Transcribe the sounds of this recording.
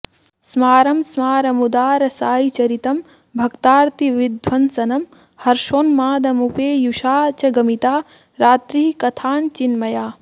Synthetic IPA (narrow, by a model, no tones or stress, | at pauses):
smaːɾɐmsmaːɾɐmud̪aːɾɐsaːjit͡ʃɐɾit̪ɐm | bʱɐkt̪aːɾt̪iʋid̪ʱʋɐnsɐnɐm | hɐɾʃoːnmaːd̪ɐmupeːjuʃaːt͡ʃɐɡɐmit̪aː | ɾaːt̪ɾiːkɐt̪ʰaːnt͡ʃinmɐjaː